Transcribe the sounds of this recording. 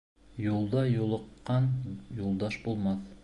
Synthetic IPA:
jolˠd̪ɑjolˠəqːɑnjolˠd̪ɑʃbolˠmɑθ

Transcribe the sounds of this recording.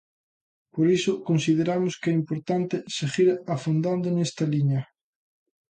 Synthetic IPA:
poɾisʊkonsið̞eɾamʊskɛimpoɾt̪ant̪eseɣiɾafond̪and̪onɛst̪ɐliɲɐ

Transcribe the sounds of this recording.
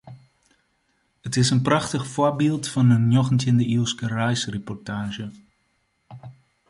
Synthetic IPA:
ətɪsənprɑχtəxfoɹbilˠtfɑnənjoxəntɪndəilˠskərɛjsrepɔrtaːʒə

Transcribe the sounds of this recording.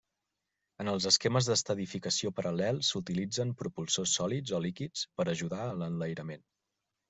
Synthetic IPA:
ənəlˠzəskeməzðəst̪əðifikəsiopəɾʔəlɛlˠsut̪ilid͡zəmpɾupulˠsosːɔlid͡zɔlikit͡spəɾəʒuðaələnləjɾəmen

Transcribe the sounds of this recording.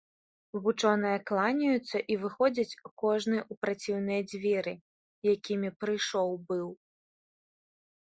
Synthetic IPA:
vut͡ʂɔnɨjɐklˠanʲɐjut̪sːɐʔivɨxɔd͡zʲɐt͡sʲkɔʐnɨupɾat͡sʲiwn̪ɨjɐd͡zʲvʲɛɾɨ | jakʲimʲipɾɨjʂɔwbɨw

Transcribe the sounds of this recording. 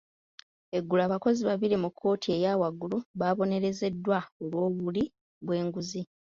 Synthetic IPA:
e̞ɡːulaːβako̞ziβaβiɾimukʰːo̞ːtʰie̞jaːwaɡuluβaβo̞ne̞ɾe̞ze̞dːwaolwo̞ːβuli | βwe̞ːŋɡuzi

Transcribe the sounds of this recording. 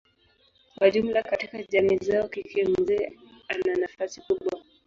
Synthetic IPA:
kwaʄum̩lakatikaʄamizaɔkikʰim̩zɛːananafasikuɓwa

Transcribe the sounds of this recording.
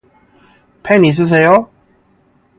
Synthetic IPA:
pʰaɪniʂ̬ɻ̩s̬eɪo

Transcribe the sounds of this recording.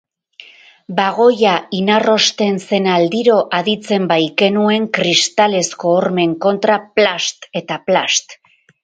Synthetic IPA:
baɣ̞o̞jainaro̞st̪e̞nse̞nald̪iɾo̞ʔaðit͡se̞mbajke̞nue̞ŋkɾist̪ale̞sko̞ːɾme̞ŋko̞nt̪ɾaplast̪e̞t̪aplast̪

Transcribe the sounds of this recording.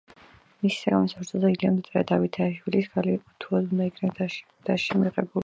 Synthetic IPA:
misi̥saɡamɛsapɾt͡ʃ̪ʰɔzɛiliamd̪t̪ʼɾɛd̪avit̪ʰaiʃwilisɡʰaliqʼut̪ʰuɔd̪und̪aikʰnɛ | d̪̥aʃɛmiʁɛbu

